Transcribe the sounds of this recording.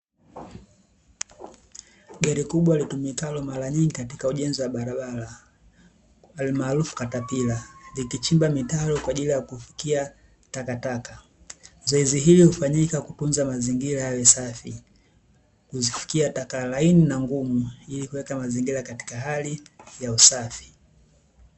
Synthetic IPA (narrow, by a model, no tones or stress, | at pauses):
ɡaɾikuɓwalitumikalɔmaɾaɲiŋɡikatikauʄɛnziwaɓaɾaɓala | almaːlufu̥katapilalikit͡ʃimbamitalɔkwaːʄilijakufi̥kia | takataka | zɔɛziɦilihufaɲikakutunzamaziŋɡilahawɛsafi | kuzifi̥kiatakalaininaŋɡumuilikuwɛkamaziŋɡiɾakati̥kaɦalijausafi̥